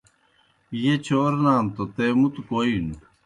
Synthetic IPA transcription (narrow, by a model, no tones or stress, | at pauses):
jet͡ɕʰoːɾnaːmt̪ot̪eːmut̪ukoːin